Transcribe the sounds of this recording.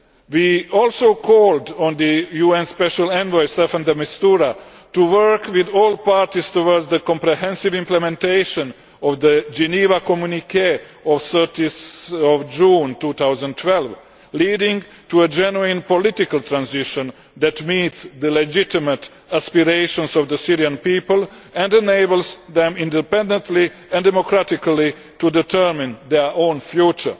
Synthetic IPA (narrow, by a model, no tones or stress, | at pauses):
wiɔlsoʊkʰɔldɔ̃nd̪əjuɛ̃nspɛʃalɛ̃nvɔɪst̪ɛfãnd̪əmist̪uɾa | t̪uwɜ˞kwɪðɔːlpaɹt̪iz̥t̪owɔɹdzðəkɔ̃mpɾɛɦɛ̃nsivɪ̃mplɛmɛ̃nt̪eɪʃə̃n | ɔvðəd͡ʒɛnivakɔmjunikʰeɔvsɜ˞tiɔvd͡ʒũːnt̪uːt̪awzə̃ntʰwɛlv | liːdɪ̃ŋ | tuəd͡ʒɛnuĩnpɔlɪt̪ikalt̪ɾãnzɪʃɔ̃n | d̪æt̪miːt̪sd̪əlɛd͡ʒɪt̪imət̪ | aspiɾeɪʃɔ̃nsɔvd̪əsiɾiãnpiːpəlɛ̃ndɛneɪbəlsðɛ̃mĩndɛpɛ̃ndə̃nt̪ʰli | ɛ̃ndɛmokɾatɪkli | t̪udɛt̪ʰɜ˞mɪ̃nd̪ɛʔõːnfjuːt͡ʃə̰˞